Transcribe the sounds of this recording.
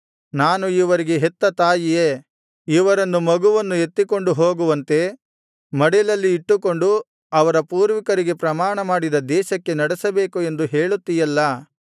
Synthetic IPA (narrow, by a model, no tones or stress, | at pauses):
naːnuiʋɐɾiɡe̞ɦɛt̪ːɐt̪aːjijeː | iʋɐɾɐnːumɐɡuʋɐnːue̞t̪ːiko̞ɳɖuɦoːɡuʋɐnt̪e̞ | mɐɽɛlɐlːiːʈːuko̞ɳɖu | ɐʋɐɾɐpuːɾʋikɐɾiɡe̞pɾɐmaːɳɐmaːɽid̪ɐd̪ɛːʃɐkːe̞nɐɽɛsɐbeːkue̞nd̪uɦe̞ːɭut̪ːijɐlːɐ